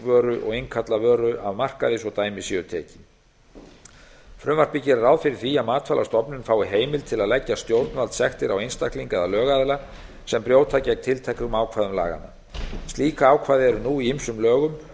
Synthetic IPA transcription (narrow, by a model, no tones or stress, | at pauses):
vœːɾʏʔɔ̰ɣejŋkʰat̪lavœːɾʏʔavmar̥kaðɪsɔɣt̪aːjmɪsɪʏt̪ʰɛ̰ːcɪ | fɾʏmvaɾ̥pɪcɪɾaɾaːwðfɪɾɪɾ̥θiaðmaːt̪falʔa̰st̪ɔpnʏnfaːwɪɦeːjmɪlt̪ʰɪlaðlɛcːast̪jowt̪nvalt̪sɛxt̪ɪɾawejnst̪ahkliŋkɛðalœːɣaðɪla | sɛmpɾjoːwt̪ʰacɛjk̚t̪ʰɪlt̪ʰɛjkʏmaːwkʰvaːðʏmla̰ːɣa̰nːa | st̪liːkaaːwkʰvaːðɪɛɾʏnuːiimsʏmlœːɣʏm